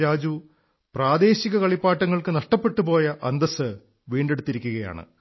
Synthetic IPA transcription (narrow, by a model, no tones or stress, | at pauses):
ɾaːd͡ʑu | praːd̪e̞ːɕiɣɐkɐɭipːaːʈːɐŋːɐɭkɨnɐʂʈɐpːe̞ʈːupo̞ːjɐʔɐnd̪ɐsɨ | ʋiːɳɖe̞ɽut̪ːiɾikʲːuɣɐja̰ːɳɨ̰